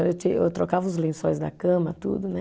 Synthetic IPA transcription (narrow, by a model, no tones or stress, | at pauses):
ewt͡ʃ̪iḛwt̪ɾokavɐʊzlẽsojzd̪ɐkɐ̃mɐt̪ṵd̪ʊnɛ